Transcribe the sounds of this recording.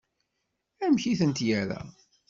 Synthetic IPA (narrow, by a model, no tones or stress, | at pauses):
æmçiθənt̪jæɾæ̰